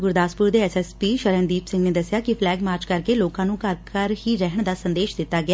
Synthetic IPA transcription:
ɡʊɾd̪aːspʊɾd̪eɛsɛspiːʃəɾənd̪iːpsɪ̃ŋɡned̪əsjaːkifʰlɛːɡmaːɾt͡ʃkəɾkeloːkãːnũːkəɾkəɾhiɾɛɦəɳ̃d̪aːsə̃nd̪eːʃd̪ɪt̪ːaːɡɪja

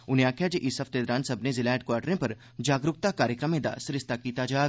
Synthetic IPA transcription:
ʊnijaːkʰjad͡ʒeʔisɐft̪eːd̪ɾãːnsɐbnezɪlɛːɖ̚kwaːɾʈɾẽpɐɾ | d͡ʒaːɡɾʊk̚t̪akaːɾjəkɾəmẽd̪a̰ːsɾɪst̪akiːt̪ad͡ʒaːɡ

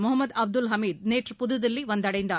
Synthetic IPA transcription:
mɔɦɐmːɐd̪ɐb̚d̪ulɦɐmiːd̪̚neːʈɾpud̪ɐd̪ɐlːiʋond̪ɐɽɐjind̪ɐ

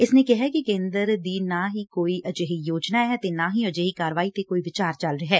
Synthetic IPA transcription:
ɪsneːkɪɦɛkɪkẽːnd̪əɾd̪iːnaːɦiːkoːiʔəd͡ʒeɦijoːd͡ʒnaːɦɛːt̪eːnaːɦiːəd͡ʒeɦiːkaːɾʋaːit̪ekoːiːʋɪt͡ʃaːɾt͡ʃɐlɾeɦɛː

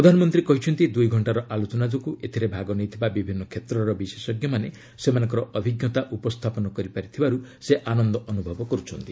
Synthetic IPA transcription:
ɾɔd̪ʱanɔmɔnt̪ɾikɔɦit͡ʃʰɔnt̪id̪ujɡʱɔɳʈaɾɔʔalot͡ʃɔnad͡ʒɔkuʔet̪ʰiɾebʱaɡɔnejt̪ʰibabibʱinːɔkʰet̪ɾɔɾɔbisesɔɡjɔmane | semanɔ̃ŋkɔɾɔʔɔbʱiɡjɔt̪aʔupɔst̪ʰapɔnɔkɔɾipaɾit̪ʰibaɾuseʔanɔnd̪ɔʔɔnubʱɔbɔkɔɾut͡ʃʰɔnt̪i

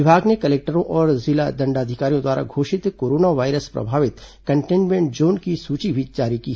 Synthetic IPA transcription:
ɪbʱaːɡnekɐleːk̚ʈəɾõʔɔːɾzɪlad̪ɐ̃ɳɖaːd̪ʱɪkaːɾijõd̪waːɾa̰ɡʱoːʃɪt̪koːɾoːnaʋaːɪɾəspɾɐ̰bʱaːʋɪt̪kɐ̃ɳʈẽːnmẽːɳʈ̚d͡ʒoːnkisuːt͡ʃibʱid͡ʒaːɾiki

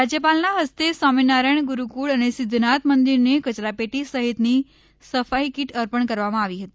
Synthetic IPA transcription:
ɾad͡ʒjəpalnaɦəst̪esaminaɾəɳ̃ɡuɾukuɭənesɪd̪ʱnat̪mənd̪iɾnekət͡ʃɾapeʈisəɦit̪ni | səfaikiʈəɾpəɳkəɾʋamãaʋiɦət̪i

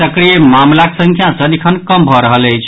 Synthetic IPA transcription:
əkɾijemamlaksə̃ŋkʰjasəd̪ikʰənkəmbʱɔɾəɦələjt͡ʃʰ

